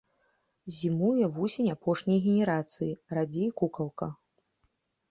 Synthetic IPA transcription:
zʲimujɛvusʲenʲapɔʂnʲɐjɣʲenʲɛɾat̪sɨjiɾad͡zʲijkukɐlˠkɐ

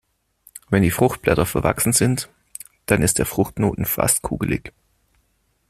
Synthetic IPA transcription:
vɛndiːfʁ̥ʊxt̚b̥lɛtɐfɛɐva̰ksn̩zɪnt | d̥anɪstd̥eːɐfʁ̥ʊxtno̰ːtn̩fa̰stkʰṵːɡəlɪ̰ç

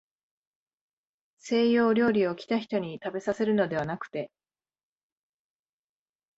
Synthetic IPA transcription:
se̞ːjo̞ːɾʲo̞ːɾʲio̞kʲi̥t̪açi̥t̪o̞ɲ̟it̪abe̞sase̞ɾɯ̟no̞d̪e̞βanakɯ̟̥t̪e̞

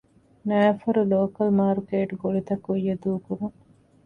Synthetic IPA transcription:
næːfɐɾuloːkɐlmaːɾkeːʈuɡoɭit̪ɐkːujːɐd̪uːkuɾuŋ

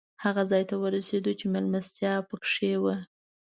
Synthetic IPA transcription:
haɣazɑjt̪awəɾased̪ut͡ʃemelmast̪jɑpəkʂewə

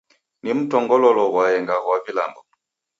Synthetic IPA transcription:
nim̩tɔŋɡɔlɔlɔɣwajɛŋɡaɣwavila̰mbɔ

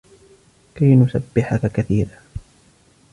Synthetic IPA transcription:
kajnʊsabːɪħakakaθiːɾaː

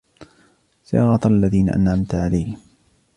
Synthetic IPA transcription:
sɑ̰ːɣɑt̪aalːaðiːna̰ʔa̰nʕamt̪ʕalajh

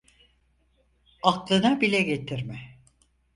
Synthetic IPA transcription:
aklˠɯnabilʲɛɟet̪ʰiɾmɪ

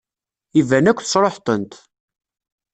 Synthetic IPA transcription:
ivænækʷːθə̥sɾˤoħt̪ˤənt̪

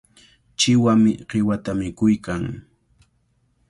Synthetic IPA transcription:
t͡ʃɪwamɪɢɪwat̪amɪkʊjkaŋ

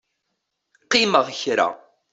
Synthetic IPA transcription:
qːiməʁçɾa̰

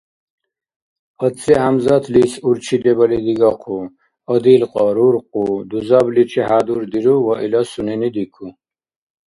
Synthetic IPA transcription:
ət͡sʰʼiɦamzat̪ʰlisuɾt͡ʃʰid̪ɛbɐlid̪iɡaqʰu | ɔd̪ilqʼɔɾuɾqʼud̪uzablit͡ʃʰiɦad̪uɾd̪iɾuwɔʔilasuninid̪ikʰu

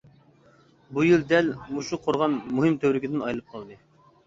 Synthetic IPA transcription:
bujild̪ɛlmuʃuqʰoɾʁɑnmuɦɨmt̪ʰøwɾɪkʲid̪ɪnɑjlˠɨp̚qʰɑlˠd̪ɨ

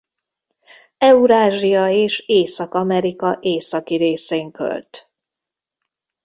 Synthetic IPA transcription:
ɛuɾaːʒijɒeːʃeːsɒkɒmɛɾikɒʔeːsɒkiɾeːseːŋkø̰lt̪

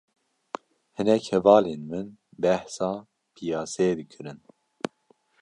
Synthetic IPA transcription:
hɨnɛkhɛvɑːlenmɨnbɛhsɑː | pʰijɑːsɛd̪ɨkʰɨɾɨn

